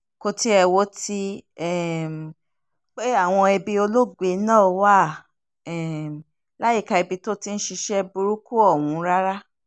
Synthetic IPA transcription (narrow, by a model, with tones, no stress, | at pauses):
ko˧ti˦ɛ˧wo˧˦ti˦ɛ˦˨m˨ | k͡pe˦a˦˨w̃ɔ̃˧ɛ˧bi˧o˧lo˦ɡ͡be˨˦nãː˦˨˧wa˦˨ | ɛ˨m˨ | la˦ji˦˨ka˧ɛ˧bi˧to˦ti˦n̩˦ʃi˧ʃɛ˦bu˧ɾu˦ku˦ɔ˦˨wũ˨˧˦ɾa˦ɾa˦